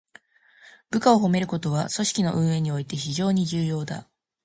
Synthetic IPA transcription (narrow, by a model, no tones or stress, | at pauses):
b̥ɯ̟kao̞ɦo̞me̞ɾɯ̟ko̞t̪o̞βaso̞ɕi̥kʲino̞̰ʔɯ̟̃ɰ̃e̞ɲ̟io̞it̪e̞çiʑo̞ːɲ̟iʑɨːjo̞ːd̪a̰